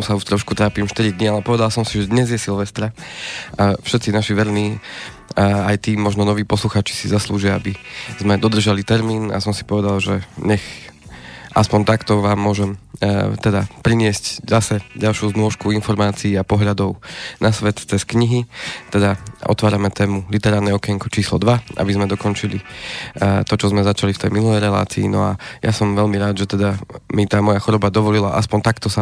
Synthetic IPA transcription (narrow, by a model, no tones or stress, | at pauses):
sauʃt̪ɾɔʃkut̪ɾaːpimʃt̪iɾid̪ɲialɛpɔʋɛd̪alsɔmsiʒɛd̪ɲɛzjɛsilʋɛst̪ɾaʔafʃɛt̪t͡sinaʃiʋɛɾniː | ajt̪iːmɔʒnɔnɔʋiːpɔsluxaːt͡ʃi̥sizasluːʒiaabizmɛd̪ɔd̪r̩ʒalit̪ɛɾmiːna̰sɔmsi̥pɔʋɛd̪alʒɛɲɛx | ʔaspɔɲt̪akt̪ɔʋaːmːʊɔʒɛmt̪ɛd̪apɾiɲɪɛsczasɛɟalʃjuːzmɔʃkuinfɔɾmaːt͡siːapɔɦʎad̪ɔʊnasʋɛt̪t͡sɛskɲiɦit̪ɛd̪aʔɔ̰t̪ʋaːɾamɛt̪ɛːmulit̪ɛɾaːɾnɛɔkɛɛŋkut͡ʃiːslɔ̰d̪ʋaʔa̰bizmɛd̪ɔkɔnt͡ʃili | t̪ɔt͡ʃɔzmɛzat͡ʃalift̪ɛjminulɛjɾɛla̰ːt͡sḭːnɔa̰jasɔmʋɛʎmiɾaːd̪ʒɛt̪ɛd̪amit̪aːmɔjaxɔɾɔbad̪ɔʋɔlilaʔaspɔɲt̪akt̪ɔsa